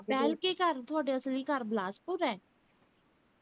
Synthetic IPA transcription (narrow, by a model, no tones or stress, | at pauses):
pɛːlkekəɾt̪ʰʊaːɖeːəsliːkəɾblaːspʊɾɛː